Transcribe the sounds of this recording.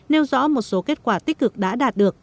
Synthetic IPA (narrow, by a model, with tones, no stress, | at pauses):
ne˧wzɔ̰˧˥mo˨˩t̚so˨˦ke˦˥t̚kwaː˧˩t̪ï˦˥k̟̚kɨ˨˩k̚ɗa̰ː˧˥ɗaː˨˩t̚ɗɨ˨˩ək̚